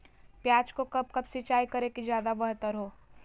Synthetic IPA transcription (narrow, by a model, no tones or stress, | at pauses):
pjaːd͡ʒkokɐb̚kɐbsɪt͡ʃaːikɐɾekid͡ʒjaːd̪abɐɦt̪əɾɦoː